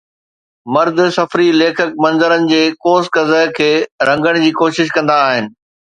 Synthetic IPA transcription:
mɐɾd̪̆sɐfɾileːkʰək̚mɐ̃nzəɾənɪ̆d͡ʑeːkoːskɐzəkʰeːɾɐ̃ŋɡəɽ̃d͡ʑiːkoːʃɪʃ̬kɐ̃nd̪aːɦɪnɪ̆

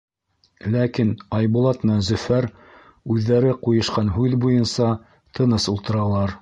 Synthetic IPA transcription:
lækinɑjβulˠɑt̪mɘ̆næzɵ̆fæɾ | ʉðːæɾɘqujɤ̆ʃqɑnɦʉðbujɤnsɑ | t̪ʰɤ̆nɤsulˠt̪ɤ̆ɾɑlˠɑɾ

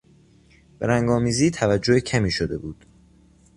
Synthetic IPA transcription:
b̥e̞ɾæŋɡɒːmiːziːt̪ʰævæd͡ʒːohecʰæmiːʃo̞d̪e̞buːd̪̥

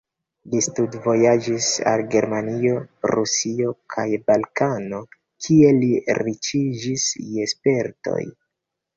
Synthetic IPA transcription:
listudvo̞jad͡ʒisa̰lɡe̞ɾmanio̞ɾusio̞kʰajbalkano̞ | kʰie̞liɾit͡ʃid͡ʒisespe̞ɾto̞̰j

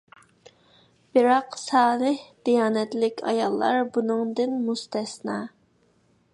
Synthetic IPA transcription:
b̥ɪɾɑqsɑːlˠəhd̪̥ijɑːnɛt̪lɪkʲʰɑ̰jɑ̰lˠːɑ̰ɾbunɨŋd̪ɨnmust̪ɛsnɑː

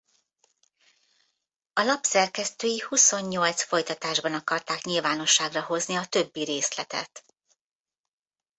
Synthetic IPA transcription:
ɒlɒpsɛrkɛst̪øːjihuso̞ɲːo̞lt̪sfo̞jt̪ɒt̪aːʒbɒnɒkɒrt̪aːkɲilvaːno̞ʃːaːɡrɒɦo̞zniɒt̪ø̞bːiɾeːslɛt̪ɛ̰t̪

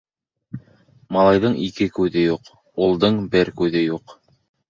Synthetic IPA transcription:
mɑlˠɑjðɤɴikɘkʉðɘjuq | ulˠd̪ɤɴbɘɾkʉðɘjuq

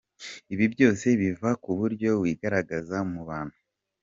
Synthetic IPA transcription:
iβibjo̞ːse̞βivakuβuɾɟo̞βwiːɡaɾaɡazamuβaːn̥hu

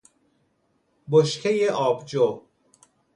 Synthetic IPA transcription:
boʃkʰejeʔɒːbd͡ʒo

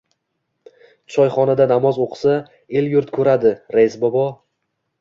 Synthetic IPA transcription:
t͡ʃʰɒjχɒnad̪anamɒzoqʰsa | e̞ljʊɾt̪kʰɵɾad̪ɪɾejzbɒbɒ

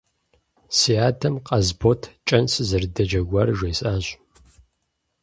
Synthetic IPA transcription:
siaːtʰɐmqʼɐzboːtʰt͡ʃʼɐnsɨzɐrdɐd͡ʒɐɡʷaːrʒʷejsʼaːɕʷ

